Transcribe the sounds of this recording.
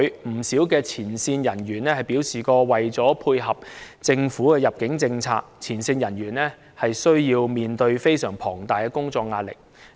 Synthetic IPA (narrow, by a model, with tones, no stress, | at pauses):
ɥm̩˨˩siː˨˥wkɛː˧t͡sʰiː˨˩nsiː˧njɐ˨˩nɥyː˨˩nlɛː˥hɐ˨˩jpi˨˥wsiː˨kɔː˧wɐ˨jt͡sɔː˨˥pʰuː˧jɦɐ˨p̚t͡sɪ˧ŋfuː˨˥kɛː˧jɐ˨p̚kɪ˨˥ŋt͡sɪ˧ŋt͡sʰa̰ː˧k̚t͡sʰiː˨˩nsiː˧njɐ˨˩nɥyː˨˩nlɛː˥ | hɐ˨jsɵ˥ɥjiː˧wmiː˨nt̪ɵ˧ɥfe˥jsœː˨˩ŋpʰɔː˨˩ŋt̪aː˨˩jkɛ˧kʊ˥ŋt͡sɔː˧k̚ŋaː˧t̚lɪ̰˨k̚